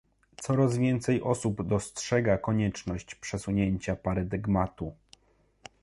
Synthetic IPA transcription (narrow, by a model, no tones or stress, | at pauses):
t̪sɔɾazvʲjɛnt̪sɛjʔɔsubd̪ɔstʂɛɡakɔɲɛt͡ʂnɔɕt͡ɕpʂɛsuɲeɲt͡ɕapaɾad̪ɛɡmat̪u